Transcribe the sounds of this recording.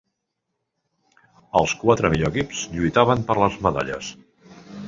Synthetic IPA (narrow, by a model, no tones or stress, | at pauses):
əlˠskwat̪ɾəmiʎoəkipz̥ʎujt̪aβəmpəɾləzməða̰ʎə̰s